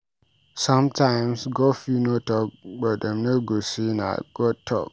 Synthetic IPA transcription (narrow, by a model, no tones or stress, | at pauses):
sɔ̃mtʰãɪmsɡɔfinotɔk̚bɔt̚ãmnoɡosina̰ɡ̥ɔtʰɔ̰k̚